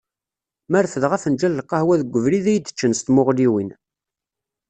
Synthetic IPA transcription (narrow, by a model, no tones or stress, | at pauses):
mæɾfəðʁæfənd͡ʒælːəqːɑhwæðəɡʷːəvɾiðæjd̪ə̥t͡ʃːənst̪mʊʁliwin